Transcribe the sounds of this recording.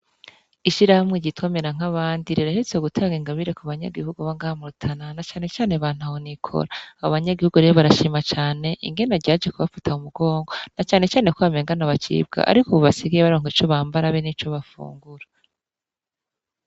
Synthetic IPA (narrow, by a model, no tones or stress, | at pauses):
iʃiɾahamŋeɟitwomeɾaŋ̥aβaːndiɾeɾaʃit͡seuɡutʰaːŋɡiŋɡaβiɾekuβaɲa̰ɡihuɡuβaŋɡamuɾutʰananat͡ʃaːne̞t͡ʃaːneβaːn̥huahonikʰo̞̰ɾaːβoβaɲaɡihuɡuɾeβoβaɾaʃiːmat͡ʃaːne̞ʔḭŋɡe̞naɾɟaːd͡ʒekuβafḁtʰaumuɡo̞ːŋɡo̞nat͡ʃaːne̞t͡ʃaːne̞koβame̞ːŋɡanaβat͡ʃḭːbɡa̰ʔa̰ɾikoβoβasiɡaeβaɾoːŋ̥it͡ʃo̞βaːmbaɾaβenit͡ʃo̞βafṵːŋɡuɾa